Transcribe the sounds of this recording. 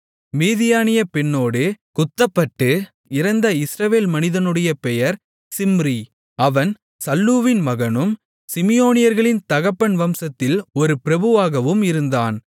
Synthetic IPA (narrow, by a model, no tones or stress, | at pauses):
miːðɪjaːnɪjɐpɛnːoːɽɯkʊt̪ːɐpːɐʈːɯ | ɪɾɐnd̪ɐɪsɾɐʋeːlmɐnɪðɐnɯɽɐjɐpɛjɐɾ | sɪmɾi | ɐʋɐn | sɐlːuːʋɪnmɐɣɐnɯm | sɪmɪjoːnɪjɐɾɣɐɭɪnt̪ɐɣɐpːɐɳʋɐmsɐt̪ːɪlɔɾɯpɪɾɐbɯʋaːɣɐʋɯmɪɾɯnd̪aːn